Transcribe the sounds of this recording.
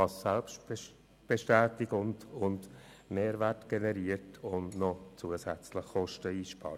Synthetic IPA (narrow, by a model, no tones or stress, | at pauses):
ɑsːælpʃt | b̥eʃtɛːtɪɡʊndʊnd | meːɾʋærtɡ̥ɛnɛɾiətʰʊndnɔt͡suəsæt͡sləχːɔʃtəiːʃpɑ̰ːɾ